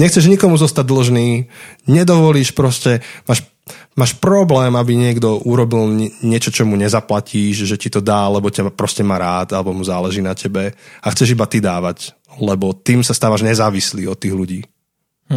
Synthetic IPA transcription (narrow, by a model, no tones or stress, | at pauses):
ɲɛxt͡sɛʒɲikɔmuzɔst̪aɟ̚d̪l̩ʒniːɲɛd̪ɔʋɔliːʃpɾɔscɛmaːʃ | maːʃpɾɔblɛːmabiɲɪɛɡd̪ɔuɾɔbilɲɪɛt͡ʃɔt͡ʃɔmuɲɛzaplaciːʒʒɛcit̪ɔd̪aːlɛbɔcapɾɔscɛmaːɾaːt̪alɛbɔmuzaːlɛʒiːnacʰɛbɛaxt͡sɛʒibat̪id̪aːʋac | lɛbɔt̪iːmsast̪aːʋaʒɲɛzaːʋislḭːɔt̪ːiːɣluɟiː